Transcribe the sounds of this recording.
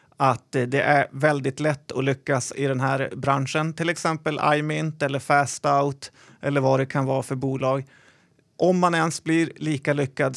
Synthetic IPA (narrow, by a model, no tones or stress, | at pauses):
at̪d̪ɛʔæɾvɛld̪ɪt̪lɛt̪ːɔ̰lʏkːasɪd̪ɛnɦæːɾbɾanʂənt̪ʰɪlɛksɛmpəlʔa̰jmɪnt̪ɛlːəɾfæst̪aʊt̪ | ʔɛlːəɾvad̪ɛkʰanvɑːɾafœɾbuːlɑːɡ | ʔɔmːanɛnsblɪɾliːkalʏkːad̪